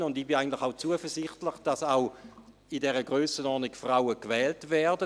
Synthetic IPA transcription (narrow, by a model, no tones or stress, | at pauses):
ʊndiːbiaɪɡəntlɪχaʊt͡suəfəsɪχtlɪχd̥asaw | idɛʁəɡʁøːsənɔːʁnikfʁawəkvɛːltvɛɐdə